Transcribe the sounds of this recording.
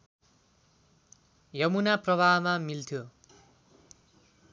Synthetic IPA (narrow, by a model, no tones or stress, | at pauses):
jʌmunaprʌbʱaɦmamilt̪ʰjo